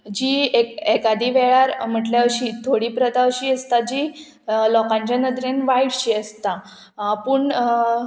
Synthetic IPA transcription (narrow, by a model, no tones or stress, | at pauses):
d͡ʑiːekɛkad̪iːʋɛɭaɾm̤əʈljaʋɕiːt̪ʰoɽiːpɾət̪aʋɕiːəst̪ad͡ʑiː | lɔkãɲt͡ɕanəd̪ɾenʋaiɽɕiːəst̪a | pəɳ